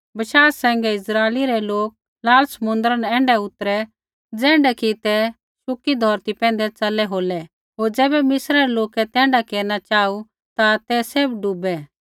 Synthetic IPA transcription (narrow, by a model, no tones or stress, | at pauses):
bɐʃaːɛ̃ːŋɡɛɪsɾaːliɾɛloːk̚ | laːlsɐmʊ̃nd̪əɾənɛ̃ːɳɖɛʊt̪ɾɛ | d͡zɛ̃ːɳɖɛkit̪ɛ | sʊkid̪ʱɔːɾt̪ipɛ̃ːn̆d̪ɛt͡sɐlːɛɦoːlɛ | ɦoːɾd͡zɛːbɛmɪsɾaɾɛloːkɛt̪ɛ̃ːɳɖakeːɾnat͡ʃaːu | t̪at̪ɛseːbɖʊbɛ